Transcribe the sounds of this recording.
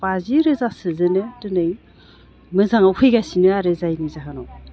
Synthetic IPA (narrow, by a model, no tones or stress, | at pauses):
paziɾɯzasɯzɯnɯtɯnɯj | mɯzaŋapʰɯjɡasinɯaɾɯzajnizaɦanɔ